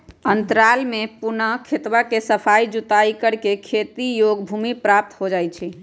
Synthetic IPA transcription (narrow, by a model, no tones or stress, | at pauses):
ənt̪ɾalmepunəɦkʰet̪wakesəpʰaid͡ʒut̪aikəɽkekʰet̪ijoɡbʱumipɾap̚t̪ɦod͡ʒajt͡ʃʰi